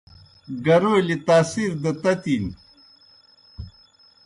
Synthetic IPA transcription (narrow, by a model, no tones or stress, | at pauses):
ɡɐɾoːlit̪aːsiɾd̪ɐt̪ɐt̪in